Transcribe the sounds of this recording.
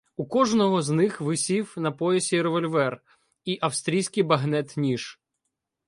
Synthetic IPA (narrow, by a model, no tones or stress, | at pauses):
ukɔʒnɔɦɔznɪxʋɪsʲiwnɐpɔjesʲiɾeʋɔlʲʋɛr | iʔɐwst̪ɾʲijsʲkɪjbɐɦnɛt̪nʲiʃ